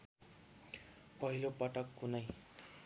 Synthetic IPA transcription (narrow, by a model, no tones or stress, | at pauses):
pʌɦilopʌʈʌkːunʌj